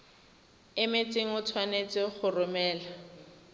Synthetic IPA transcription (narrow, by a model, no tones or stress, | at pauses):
ɪmɪt͡sʼɪŋ̩ʊt͡sʰwanet͡sʼɪχʊrʊmɛːla